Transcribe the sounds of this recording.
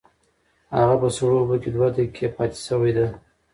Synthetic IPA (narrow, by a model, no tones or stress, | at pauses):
ha̰ɣapəsɽobəked̪wat̪əkʰːepɑt̪e̥səwajd̪a